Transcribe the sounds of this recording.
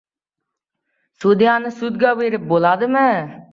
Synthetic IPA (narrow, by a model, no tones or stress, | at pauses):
sud̪ijanɨsud̪̚ɡaweɾɪp̚bolˠɑd̪ɨmɪ